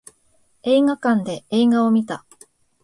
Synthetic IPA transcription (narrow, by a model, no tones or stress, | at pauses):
e̞ːŋakãnd̪e̞eːɡao̞mʲit̪a